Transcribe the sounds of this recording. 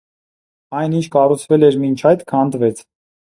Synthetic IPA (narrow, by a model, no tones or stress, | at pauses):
ɑjnint͡ʃʰkɑrut͡sʰvɛlɛɾmint͡ʃʰɑjt̪kʰɑnd̪vɛt͡sʰ